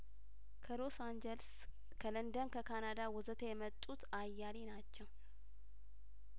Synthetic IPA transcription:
kʰəlo̞sand͡ʒels | kʰələnd̪ənkʰəkʰanad̪awɔzət̪ʰejɛmət̪ʼːut̪ajːalenat͡ʃːɛw

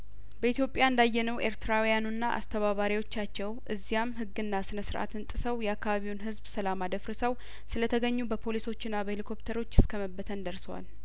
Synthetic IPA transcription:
bəʔit̪jo̞pʼːjaɨnd̪ajːɛnəwʔe̞̰ɾt̪ʰɨɾawijanunːaʔa̰st̪ʰəβaβaɾiwo̞t͡ʃːat͡ʃːɛwʔɨzːijamhɨɡːɨnːasɨnəsɨɾʔa̰t̪ɨnt̪ʼɨsəwjɛakːaβaβiwnɦɨzbsəlamad̪əfɾɨsəw | sɨlət̪ʰəɡəɲːubəpʰo̞liso̞t͡ʃːɪnːabəhelikʰo̞pt̪ʰəɾo̞t͡ʃːɨskʰəməbːət̪ʰənd̪əɾsəwa̰l

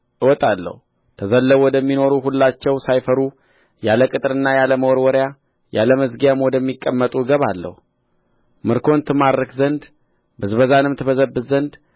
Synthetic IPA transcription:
ʔɨwɔt̪ʼalːə̰hu | t̪ʰəzəlːəβwɔd̪əmːino̞ɾuɦulːat͡ʃːɛwsajfəɾu | jaləkʼɨt̪ʼɾɨnːajaləməwɔɾwɔɾja | ja̰ləməzɡijamwɔd̪əmːikʼːəmːət̪ʼuɡəβalːə̰hu | mɨɾkʰo̞nt̪ʰɨmaɾəkzənd̪ | bɨzβəzanɨmt̪ʰɨbəzəbːɨzənd̪

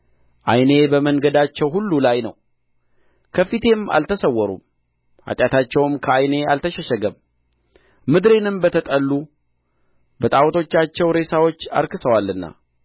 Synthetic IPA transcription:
ʔa̰jne̞bəməŋɡəd̪at͡ʃːɛwhulːulajnəw | kʰəfit̪ʰe̞ma̰lt̪ʰəsəwːɔɾṵm | ʔa̰t̪ʼjat̪ʰat͡ʃːɛwmkʰəajne̞a̰lt̪ʰəʃɛʃɛɡəm | mɨd̪ɾe̞nɨmbət̪ʰət̪ʼəlːu | bət̪ʼawt̪ʰo̞t͡ʃːat͡ʃːɛwɾe̞sawo̞t͡ʃːa̰ɾkɨsəwalːɨnːa̰

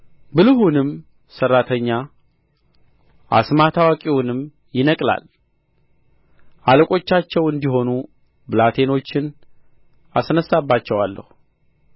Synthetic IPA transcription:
bɨlɨhunɨm | sərːat̪ʰəɲːa | ʔa̰smat̪ʰawakʼiwʊnɨm | jɪnəkʼla̰l | ʔaləkʼo̞t͡ʃːat͡ʃːɛwɨnd̪iɦo̞nu | bɨlat̪ʰe̞no̞t͡ʃːɪn | asnəsːabːat͡ʃːɛwalːə̰hu

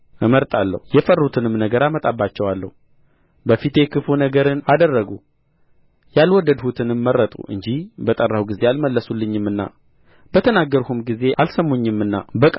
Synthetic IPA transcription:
ɨməɾt̪ʼalːə̰hujɛfərːut̪ʰɨnɨmnəɡəɾamət̪ʼabːat͡ʃːɛwalːə̰hu | bəfit̪ʰekʰɨfunəɡəɾɨnad̪ərːəɡu | jalwɔd̪ːəd̪hut̪ʰɨnɨmːərət̪ʼṵʔɨ̰ɲd͡ʒihbət̪ʼərːawɡize̞alməlːəsulːɨɲːɨmːɨnːa̰ | bət̪ʰənaɡːəɾhumɡize̞ʔalsəmːoɲːɨmɨnːa̰bəkʼ

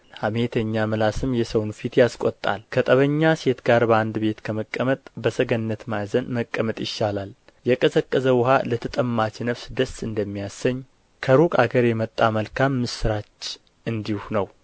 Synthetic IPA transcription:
hamet̪ʰəɲːamɨlasɨmjɛsəwnfit̪jaskʼot̪ʼːa̰lkʰət̪ʼəβəɲːase̞t̪ɡaɾbəand̪be̞t̪kʰəməkʼːəmət̪ʼbəsəɡənːət̪majzənməkʼːəmət̪ʼjɪʃːalal | jɛkʼəsəkʼːəzəwʊha̰lət̪ʰət̪ʼəmːat͡ʃnəβsd̪əsɨnd̪əmːijasːəɲː | kʰəɾukʼa̰ɡəɾjɛmət̪ʼːaməlkʰamːɨsɨɾat͡ʃː | ʔɨnd̪ihunəw

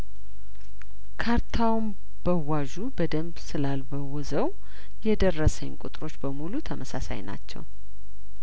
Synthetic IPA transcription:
kʰaɾt̪ʰawm | b̥əwaʒubəd̪əmbsɨlalbəwɔzəw | jɛd̪ərːəsəɲkʼut̪ʼɾo̞t͡ʃːbəmulut̪ʰəməsa̰sa̰jna̰t͡ʃːɛ̰w

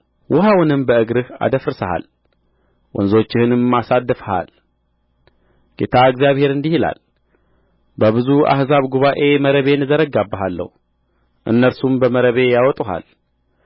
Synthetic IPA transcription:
wʔʊɦawnɨmbəɨɡɾɨha̰d̪əfɾɨsəha̰l | wɔ̰nzo̞t͡ʃːɪhɨnɨmmːasad̪ːɨfəha̰l | ɡ̥e̞t̪ʰaɨɡzjaβhe̞ɾɨnd̪ihila̰l | bəβɨzua̰hzaβɡuβaʔe̞məɾəβe̞nːɨzəɾəɡabːəɦalːə̰hu | ʔɨ̰nːəɾsumbəməɾəβe̞jawɔt̪ʼuɦa̰l

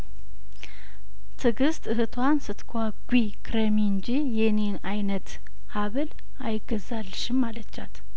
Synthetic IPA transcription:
t̪ʰɨɡɨst̪ɨɦɨt̪ʰwansɨt̪kʰʷaɡʷi | kʰɾəmiɨnd͡ʒijɛne̞najnət̪ | haβɨl | ajɪɡəzalːʃɪmːalət͡ʃːat̪

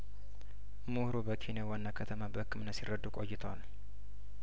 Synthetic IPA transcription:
muhɾubəkʰinjawanːakʰət̪ʰəmabəhɨkʰːɨmnːət̪sirəd̪ukʼo̞jːɪt̪ʰəwal

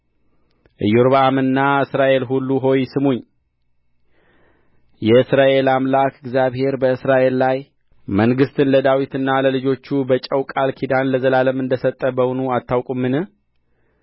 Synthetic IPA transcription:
ʔɨjuɾβəamɨnːaɨsɾaʔe̞lɦulːuɦo̞jsɨmuɲː | jɛɨsɾaʔe̞lamlakɨɡzjaβhe̞ɾbəɨsɾaʔe̞lːaj | məŋɡɨst̪ʰɨnləd̪awit̪ɨnːaləlɨd͡ʒo̞t͡ʃːubət͡ʃʼəwkʼalkʰid̪anləzəlaləmɨnd̪əsət̪ʼːəbəwunuat̪ʰːawkʼumːɨnɨ

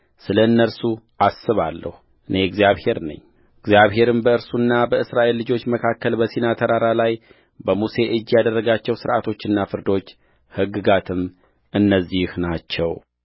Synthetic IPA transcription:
sɨləɨnːəɾsuʔasːɨβa̰lːə̰hu | ʔɨne̞ɨɡzjaβhe̞ɾnə̰ɲː | ɪɡzjaβɦe̞ɾɨmbəɨɾsunːabəɨsɾaʔe̞lːɨd͡ʒo̞t͡ʃːməkʰakːəlbəsinat̪ʰəɾaɾalaj | bəmuse̞ʔɨd͡ʒːjad̪ərːəɡat͡ʃːɛwsɨɾʔat̪ʰo̞t͡ʃːɨnːafɨɾd̪o̞t͡ʃː | hɨɡːɨɡat̪ʰɨm | ʔɨnːəzːihnat͡ʃːɛw

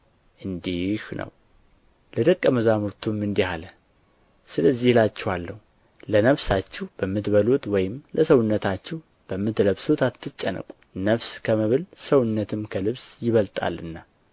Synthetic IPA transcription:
ʔɨnd̪ihnə̰w | ləd̪əkʼːəməzamuɾt̪ʰumɨnd̪ihalə | sɨləzːihlat͡ʃːɛhalːəhu | lənəβsat͡ʃːɛwb̥əmːɨt̪bəlut̪wɔjɪmləsəwʊnːət̪ʰat͡ʃːɛw | b̥əmːɨt̪ləβsut̪ʰat̪ʰːɨt͡ʃʼːənə̰kʼu̥nəβskʰəməβɨlsəwnːət̪ʰɨmkʰəlɨβsjɪβəlt̪ʼa̰lɨ̰nːa

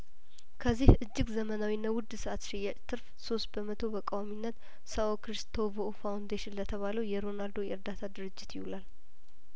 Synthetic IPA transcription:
kʰəzːihɨd͡ʒːɪɡzəmənawinːawʊd̪səʔat̪ʃɪjat͡ʃʼt̪ʰɨɾfso̞st̪̚bəmət̪ʰo̞bəkʼawaminːət̪ | saokɾist̪ʰovofawnd̪eʃɪnlət̪ʰəβaləwjɛɾo̞nald̪o̞jɛɾd̪at̪ʰad̪ɨɾɨd͡ʒːɪt̪jɪhulal

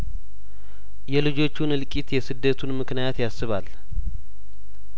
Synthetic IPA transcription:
jɛlɨd͡ʒo̞t͡ʃːunɨlkʼit̪jɛsɨd̪ːət̪ʰunmɨknijat̪jasːɨβal

